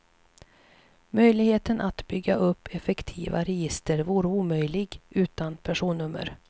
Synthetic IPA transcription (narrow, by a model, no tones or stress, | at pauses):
mœjlɪɡheːt̪ənʔat̪bʏɡːaʔɵpʰːɛfɛkt̪ʰiːva̰ɾɛjɪst̪əɾvuːɾəuːmœjlɪɡʉ̟ːt̪anpʰæʂuːnːɵmːə̰ɾ